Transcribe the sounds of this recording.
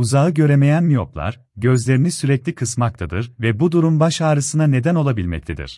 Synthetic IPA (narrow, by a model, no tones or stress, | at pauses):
uzaɯɟø̞ɾeme̞jænmijoplˠa̰ɾ̥ | ɟø̞zlʲe̞ɾinisyɾɛclʲikʰɯsmak̚t̪ʰad̪ɯɾvɛbud̪uɾumbaʃaːɾɯsɯnane̞d̪æno̞lˠabilʲmɛ̰c̚t̪ʰed̪ḭɾ̥